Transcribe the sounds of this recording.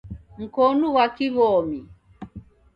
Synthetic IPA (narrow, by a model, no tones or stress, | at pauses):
ŋ̩konuwakiβɔmi